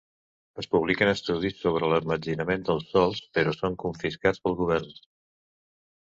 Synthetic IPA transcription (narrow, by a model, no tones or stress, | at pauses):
əspuβ̞likənəst̪uðisːoβ̞ɾələrməd͡ʒinəmend̪əlˠsɔlˠspəɾɔsoŋkuɱfiskat͡spəlˠɣuβ̞ɛrn